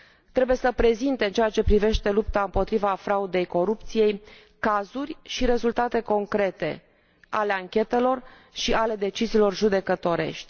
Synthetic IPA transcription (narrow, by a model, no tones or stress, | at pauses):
t̪ɾe̞buje̞səpɾe̞zint̪e̞ɨnt͡ʃejat͡ʃe̞pɾive̞ʃt̪e̞lupt̪aɨmpo̞t̪ɾivafɾaud̪e̞jko̞ɾupt̪sije̞j | kazurʲʃiɾe̞zult̪at̪e̞ko̞ŋkɾe̞t̪e̞̰ | a̰le̞aŋkʲe̞t̪e̞lo̞r | ʃiʔale̞d̪e̞t͡ʃiziːlo̞rʒud̪e̞kət̪o̞ɾe̞̰ʃt̪ʲ